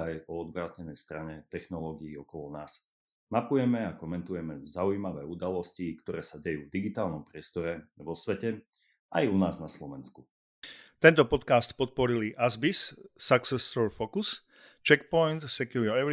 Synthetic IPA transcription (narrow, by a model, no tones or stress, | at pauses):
ajɔɔd̪ʋɾaːtɲɛnɛjst̪ɾaɲɛt̪ɛxnɔlɔːɡiiɔkɔlɔnaːs | mapujɛmɛakɔmɛnt̪ujɛmɛzaujimaʋɛːud̪alɔscikt̪ɔɾɛːsaɟɛjuːvd̪iɡit̪aːlnɔmpɾɪɛst̪ɔɾɛʋɔsʋɛcɛ | ʔajunaːznaslɔʋɛnsku̥ | t̪ɛnt̪ɔpɔt̪kaːst̪pɔt̪̚pɔɾiliʔazbisːaksɛsɔɹfɔkus | t͡ʃɛkpɔjnt̪sɛkjuɾɔɛʋ